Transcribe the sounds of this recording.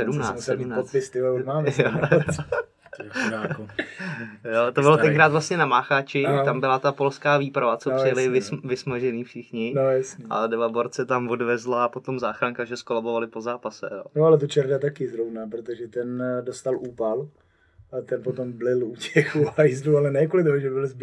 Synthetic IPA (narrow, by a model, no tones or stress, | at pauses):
sɛdumnaːsɛmnaot̪pɪst̪ɪoumaːmɛo | ak | jot̪obɪlot̪ɛŋkɾaːt̪vlast̪ɲɛnamaːxat͡ʃɪambɪlat̪apo̞lskaːviːpɾavat͡soprɪjalɪvɪsvɪsmaʒɛniːfʃɪxɲɪnojasɲia̰dɛvaboɾt͡sɛt̪amvo̞dvɛzlaːpo̞t̪o̞mzaːxɾaŋkaʒɛskolabo̞valɪpozaːpasɛ̰joːnoalɛt̪̬ot͡ʃɛɾdat̪akɪzɾovnapɾot̪oʒɛt̪ɛndost̪alʔuːpal | at̪ɛnpot̪omblɪlucɛxuajzdualɛnɛːkolɪt̪oɦoʒɛbɪlzb